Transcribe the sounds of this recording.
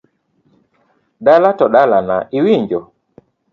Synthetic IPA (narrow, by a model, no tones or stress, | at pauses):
ɗalatɔɗalana̰ʔiwiɲd͡ʒɔ